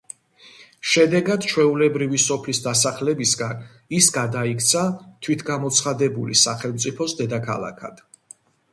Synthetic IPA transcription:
ʃɛd̪ɛɡad̪t͡ʃʰwɛulɛbɾivisɔpʰlisd̪asaχlɛbisɡan | isɡad̪aikʰt̪sʰat̪ʰwit̪ʰɡamɔt̪sʰχad̪ɛbulisaχɛlˠmt̪sʼipʰɔsd̪ɛd̪akʰa̰lˠa̰kʰa̰d̪̥

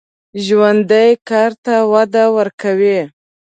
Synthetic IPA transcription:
ʒwand̪əjkɑɾt̪awad̪awəɾkawi

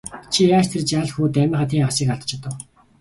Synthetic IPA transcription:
t͡ɕʰijaːt͡ɕt̪ʰert͡ɕaːɮxuːt̪æmʲɪ̆ːχăt̪ʰiːχasɪ̆ːkaɮt̪t͡ɕ̆ʰt̪ə̆w

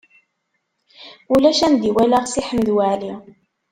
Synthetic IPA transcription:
ulæʃæmd̪iwælæʁsiħəməðwaʕli

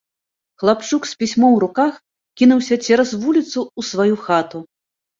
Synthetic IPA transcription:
xlˠapt͡ʂukspʲisʲmɔ̃wɾukax | kʲinuwsʲɐt͡sʲɛɾɐsvulʲit̪suusvajuxat̪u

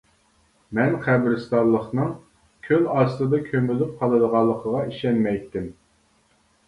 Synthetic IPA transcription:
mɛnχæbɾɪst̪ɑllˠːəχnɨŋ | kʲʰølɑst̪ɨd̪ɑkʲʰømylyp̚qʰɑlˠɨd̪əʁɑlˠːəqʰəʁɑiʃɛnmɛjt̪ːɪm

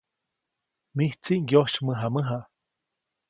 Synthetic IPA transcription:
miht͡siʔŋɡjoʃməɦaməɦa

